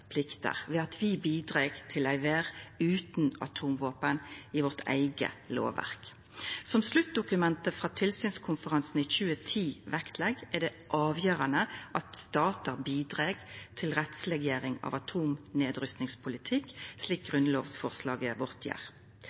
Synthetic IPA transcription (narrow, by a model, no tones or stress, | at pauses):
pʰlɪkt̪ə̰ʁʋɛɑt̪ʰʋɪbiːd̪ʁeːɡt̪ʰɪlæɪʋeːʁʉːt̪nɑ̰t̪ʰuːmʋoːpənɪʋɔʁt̪ʰæ̰ɪɡə̰lo̰ːʋæ̰ʁk | sɔmslʉt̪̚d̪ʊkʉmɛnt̪əfʁɑːt̪ʰɪlsyːnskʰʊnfəʁɑnsn̩iːçʉːət̪ʰiːʋækt̪ʰlɛɡæd̪ɛʔɑːʋjøːʁɑnəʔɑt̪st̪ɑːt̪əʁbiːd̪ʁeːɡt̪ʰɪlʁɛt̪slɛɡjeːʁɪŋɑ̰ʋɑt̪ʰuːmneːd̪ʁʏst̪nɪŋspʰʊlɪt̪ʰɪkːsliːk̚ɡʁʉnloːʋsfɔʁslɑːɡəʋɔʁt̪ʰjæ̰ːʁ